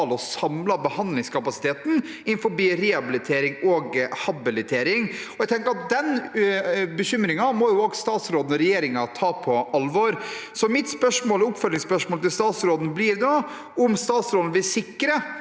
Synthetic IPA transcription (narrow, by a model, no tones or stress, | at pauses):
lɔsɑmlɑbəhɑnd̪lɪŋskʰɑpɑsɪ̥t̪ʰeːt̪n̩ | ɪnfɔɾbiːɾɛːɑbɪlɪt̪ʰeːɾɪŋɔɡhɑbɪlɪt̪ʰeːɾɪŋ | ɔɛɡt̪ʰɛŋkəɾɑt̪̚d̪ɛn | bəɕʏmɾɪŋɑmɔjʊoːɡst̪ɑːt̪sɾoːd̪n̩ɔɾɛjeːɾɪŋɑt̪ʰɑːpʰɔʔɑlʋɔɾsɔmɪt̪spœʂmoːlɔʊpfœlːɪŋspœʂmoːlt̪ɪlst̪ɑːt̪sɾoːd̪n̩blɪɾd̪oː | ʊmst̪ɑːt̪sɾoːd̪n̩ʋɪsɪkːɾə